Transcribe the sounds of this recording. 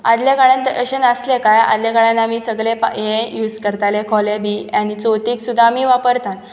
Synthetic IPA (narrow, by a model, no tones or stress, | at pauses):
a̰d̪ljaɡaɭant̪əʔəɕənəslekaja̰d̪ljaɡaɭanamiːsəɡɭẽpjẽjuːd͡zkəɾt̪alekʰɔlebiañit͡sot̪iːksud̪ʱːaːmiːʋapəɾt̪an